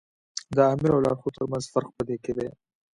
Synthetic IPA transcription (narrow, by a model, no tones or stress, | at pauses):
d̪əɑːmɪɾawlɑ̰ɾxot̪əɾmanzfaɾqpəd̪eked̪e